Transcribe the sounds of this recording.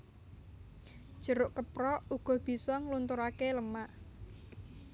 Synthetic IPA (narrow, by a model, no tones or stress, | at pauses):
d̥ʒ̥ə̤ɾʊʔkəpɾɔuɡ̥ɔ̤b̥i̤sɔŋlunt̪ʊɾakeləmaʔ